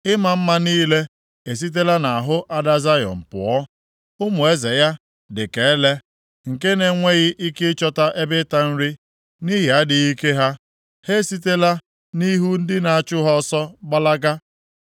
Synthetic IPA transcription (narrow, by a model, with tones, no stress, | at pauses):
ɪ˦ma˨m̩˦ma˦niː˦le˦ | e˨s̬i˦t̬e˦la˦na˨a˨ɦʊ˦ʔa˦da˦za˦jɔ̰˨m̩˨pʊ̰˨ɔ˦ | ʊ˦mʊ˨e˦ze˨ja˦ | dɪ˨ke˨˦le˦ | ŋ̩˨ke˦ne˨ŋʷe˦ɣɪ˦ʔi˦kɪ˦t͡ʃɔ˦ta˦ʔe˦bɪ˦ta˦n̩˦ɾi˦ | ni˦ɦɪ˨a˦dɪ˨ɣi˦ke˦ɦa˦ | he˦si˦te˦la˦ | ni˦ɦu˦n̩˦dɪ˦na˨a˨t͡ʃʊ˦ɦɔ˦sɔ˦ɡ͡ba˦la˦ɡa˦